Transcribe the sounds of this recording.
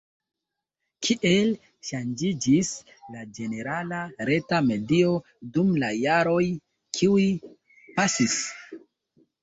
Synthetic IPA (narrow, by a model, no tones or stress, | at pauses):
kʰiʔe̞l | ʃand͡ʒid͡ʒis | lad͡ʒe̞ne̞ɾalaɾe̞tame̞dio̞ | dumlajaɾo̞j | kʰiwi | pasis